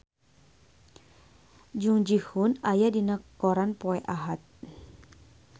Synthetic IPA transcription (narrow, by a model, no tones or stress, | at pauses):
d͡ʒuŋd͡ʒihunajadinakɔɾanpɔɛʔaɦat̪̚